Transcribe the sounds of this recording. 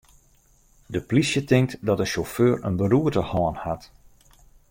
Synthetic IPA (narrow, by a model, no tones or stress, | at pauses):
dəplisjətɪŋk̚tdɔtəʃoføːɹə̰nbəɾuətəhɔːnhat